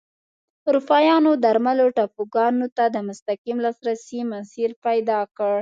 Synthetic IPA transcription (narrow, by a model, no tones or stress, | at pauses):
ɾufɑjɑnod̪aɾmaloʈafuɡɑnot̪ad̪əmʊst̪akimlɑsɾasimasiɾpajd̪ɑkəɽ